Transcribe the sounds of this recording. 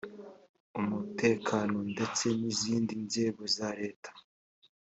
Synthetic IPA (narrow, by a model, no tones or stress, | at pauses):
umutʰe̞ːkʰano̞nde̞t͡se̞niziːndinze̞ɡo̞zaɾe̞ːtʰḁ